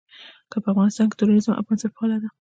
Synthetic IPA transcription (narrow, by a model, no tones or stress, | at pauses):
kapəafɣɑnɪst̪ɑnkɪ̥t̪uɾoɾɪzəmʔa̰fɣɑnsaɾpɑlad̪a